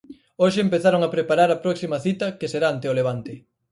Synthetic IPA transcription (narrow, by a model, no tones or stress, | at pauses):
oʃɪempeθaɾoŋapɾepaɾaɾɐpɾɔksimɐθit̪ɐkeseɾaant̪ɪoleβ̞ant̪ɪ